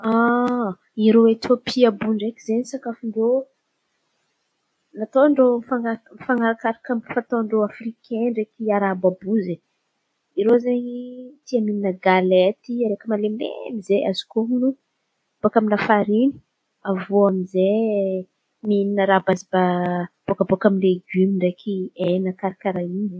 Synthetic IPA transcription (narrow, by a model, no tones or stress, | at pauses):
a | iɾowet̪ʰopʰiabuɳɖ͡ʐekʲizenisakafiɳɖ͡ʐo | nat̪oɳɖ͡ʐofaŋafaŋaɾakaɾakamfat̪oɳɖ͡ʐoafrikʰenrekiaɾababuze | iɾozenit̪iamininəɡalet̪iaɾekəmalemḛmizeazi̥kominu | b̥okaminafaɾini̥ | avoamize | mininəɾabazibab̥okəbokaminleɡymiɳɖ͡ʐekienakaɾakʲaɾaini